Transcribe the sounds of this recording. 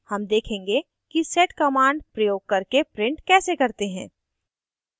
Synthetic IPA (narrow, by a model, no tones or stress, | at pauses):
hɐmd̪eːkʰẽːŋɡe | kisɛːʈkɐmãːɳɖpɾɐjoːɡ̚kɐɾkepɾɪ̃ɳʈkɛːsekɐɾt̪eɦɛ̃ː